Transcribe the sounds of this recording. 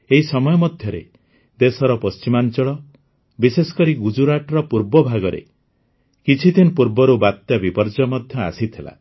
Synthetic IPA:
eɦisɔmɔjɔmɔd̪ʱjɔɾḛ | d̪esɔɾɔpɔst͡ʃimant͡ʃɔɭɔ | bisesɔ̥kɔɾiɡud͡ʒuɾaʈɾɔpuɾbɔbʱaɡɔɾḛ | kit͡ʃʰit̪ʰinpuɾbɔɾubat̪jabibɔɾd͡ʒɔmɔd̪ʱjɔa̰sit̪ʰila̰

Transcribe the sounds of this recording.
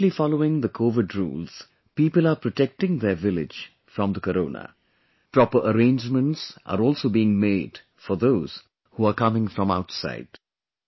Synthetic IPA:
lifɑloɪ̃ŋd̪əkʰoːvɪɖɹṵːlz̥ | piːpəlˠapɹəʈɛk̚tɪ̃ŋd̪ɛvɪlɪ̰d͡ʒ | fɾɔ̃md̪əkəɾoːnə̰ | pɹɔpəʔəɾẽɪ̃nd͡ʒmə̃nʈsʔa̰ːɾɔːlˠsoːbiːɪ̃ŋmeːd | fɔðoːz̥ | huakʌmɪ̃ŋfɾɔ̃ma̰ʊtsa̰ɪd̥

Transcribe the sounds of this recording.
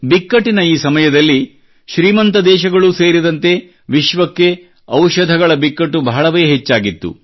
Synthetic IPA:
bikːɐʈːinɐiːsɐmɐjɐd̪ɐlːi | ʃɾiːmɐnt̪ɐd̪ɛːʃɐɡɐɭuse̞ːɾid̪ɐnt̪e̞ | ʋiʃʋɐkːe̞ | ɐwʃɐd̪ʱɐɡɐɭɐbikːɐʈːubʱɐɦɐɭɐʋe̞ːɦet͡ʃːaːɡit̪ːṵ

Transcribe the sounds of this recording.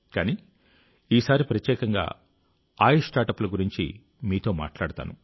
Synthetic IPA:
kaːni | iːsaːɾipɾɐt̪jɛːkɐŋɡa̰ː | aːjisʈaːɾʈɐplɐɡuɾiɲt͡ʃḭ | miːt̪o̞ːma̰ːʈlaːɽut̪a̰ːnu

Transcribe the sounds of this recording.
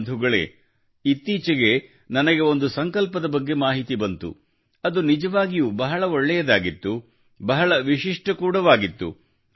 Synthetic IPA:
d̪ʱuɡɐɭḛː | it̪ːiːt͡ʃɐɡe̞ | nɐnɐɡe̞o̞nd̪usɐŋkɐlpɐd̪ɐbɐɡːe̞maːɦit̪ibɐnt̪ṵ | ɐd̪unid͡ʒɐʋaːɡijuːbɐɦɐɭɐoɭːɛjɐd̪aːɡit̪ːu | bɐɦɐɭɐʋiʃiʂʈɐkuːɽɐʋaːɡit̪ːṵ

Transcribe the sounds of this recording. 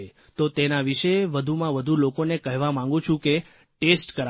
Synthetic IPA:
t̪ot̪enaʋiʃeʋəd̪ʱumãʋəd̪ʱulokonekəɦʋamãŋ̆ɡũt͡ʃʰũke | ʈesʈkəɾ

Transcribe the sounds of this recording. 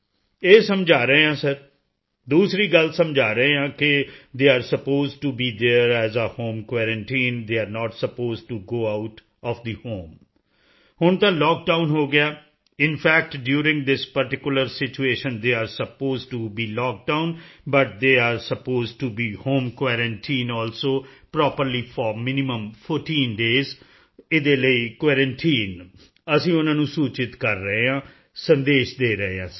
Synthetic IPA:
eːsəmd͡ʒaːɾəɦẽɦãːsəɾ | d̪uːsɾiːɡəlsəmd͡ʒaːɾəɦẽãːkɪd̪eːaːɾsəpoːzʈubiːd̪eːɾɛːzəhõːmkwaːɾə̃ɳʈĩːnd̪eːəɾnɔːʈsəpoːzʈuɡoːaʊʈ | ɔːfd̪ihõːm | hʊɳ̃t̪ãːlɔːk̚ɖãːʊ̃nɦoːɡɪaː | ɪ̃nfʰɛːk̚ʈɖjuːɾɪ̃ŋɡd̪ɪspəɾʈɪkjʊləɾsɪt͡ʃueːʃə̃nd̪eːaːɾsəpoːzʈubiːlɔːk̚ɖaːʊnbəʈ̚d̪eːaːɾsəpoːzʈubiːhõːmkwɛːɾɛ̃ɳʈʰiːnɔːlsoːpɾɔːpəɾliːpʰːmɪnɪmə̃mpʰoːɾʈʰĩːnɖeːz | ɪd̪eːləiːkwɛːɾə̃ɳʈʰiːn | əsĩːʊnãːnũːsuːt͡ʃɪt̪kəɾːəɦeãː | sə̃nd̪eːʃd̪eːɾəɦeã̰ː

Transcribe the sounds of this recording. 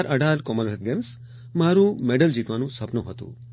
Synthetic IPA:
ɾʔəɖaːlkɔməlɦɛt̪̚ɡems | maɾũmeɖəld͡ʒit̪ʋanũsəpnuɦət̪ṵ̃

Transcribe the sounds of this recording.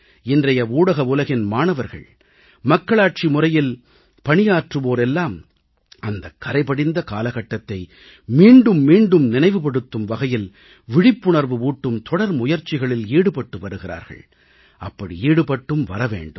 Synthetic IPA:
ɪndrɐjɐuːɽɐɣɐʊlɐɣɪnmaːɳɐʋɐɾɣɐ̰ɭ | mɐkːɐɭaːʈ̚t͡ʃimʊrɐjɪl | pɐɳɪjaːʈrɯʋoːɾɛlːaːm | ɐnd̪ɐkːɐɾɐɪpɐɽɪnd̪ɐkaːlɐɣɐʈːɐt̪ːɐɪ | miːɳɖɯmːiːɳɖɯmnɪnɐɪʋɯpɐɽɯt̪ːɯmʋɐɣɐjɪl | ʋɪɽɪpːʊɳɐɾʋɯuːʈːɯmt̪ɔɽɐɾmʊjɐɾt͡ʃːɪɣɐɭɪliːɽɯpɐʈːɯʋɐɾɯɣɪra̰ːɾɣɐ̰ɭ | ɐ̰pːɐɽḭiːɽɯpɐʈːɯmʋɐɾɐʋḛːɳɖɯm

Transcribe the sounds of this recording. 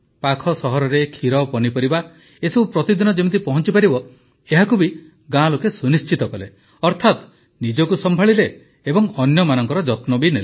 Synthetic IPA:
pakʰɔsɔɦɔɾɔɾekʰiɾɔpɔnipɔɾiba | esiupɾɔt̪id̪inɔd͡ʒemit̪̬ipɔɦɔ̃nt͡ʃipaɾibɔ | eɦakubi | ɡãlokesunist͡ʃit̪ɔkɔle | ɔɾt̪ʰat̪ | nid͡ʒɔkusɔmbʱaɭileː | bɔŋɔnjɔmanɔŋkɔɾɔd͡ʒɔt̪mɔbinele

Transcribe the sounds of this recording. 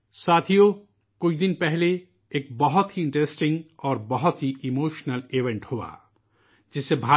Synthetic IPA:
saːt̪ʰijo | kʊt͡ʃʰd̪inpɛɦle | eːk̚bɔɦɔt̪ɦiɪ̃ɳʈɾesʈɪ̃ŋɡɔːɾbɔɦɔt̪ɦiimoːʃnəleʋẽɳʈhoa̰ | d͡ʒɪsebʱa

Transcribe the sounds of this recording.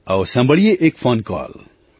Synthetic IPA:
awsə̃mbʱəɭijeʔekpʰonkɔ̰ːl

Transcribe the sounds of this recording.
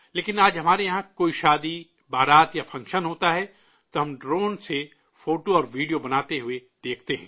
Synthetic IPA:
leːkɪnaːd͡ʒɦɐmaːɾejɐɦãkoːiʃaːd̪i | baːɾaːt̪jafɐ̃ŋkʃənɦoːt̪aɦɛ | t̪oɦɐmɖɾoːnse | foːʈoɔːɾʋiːɖijobɐnaːt̪eɦʊed̪̥eːk̚ʰt̪eɦɛ̃ː

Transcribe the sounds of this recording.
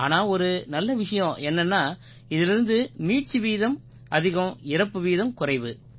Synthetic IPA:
aːnaːɔɾɯnɐlːɐʋɪʂɐjõʔɛnːɐnːaː | ɪðɪlɪɾɯnd̪ɯmiːʈ̚t͡ʃɯʋiːðɐm | ʔɐðɪɣɐ̃mɪɾɐpːɯʋiːðɐmkʊrɐɪʋɯ

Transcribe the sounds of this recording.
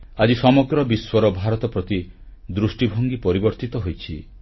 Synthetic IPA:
ad͡ʒisɔmɔɡɾɔbiswɔɾɔbʱaɾɔt̪ɔpɾɔt̪id̪ɾusʈibʱɔŋɡipɔɾibɔɾt̪it̪ɔɦojt͡ʃʰi

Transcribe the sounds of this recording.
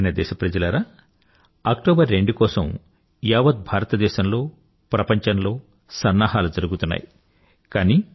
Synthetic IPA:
nɐd̪ɛ̰ːʃɐpɾɐd͡ʒɐlɐɾaː | ɐkʈoːbɐɾːe̞ɳɖukɔːsɐm | ijaːʋɐt̪̚bʱaːɾɐt̪ɐd̪ɛːʃɐmlo̞ː | pɾɐpɐɲt͡ʃɐnlo̞ː | sɐnːaːɦaːlud͡ʒɐɾuɡut̪unːa̰ːji | kaːniː

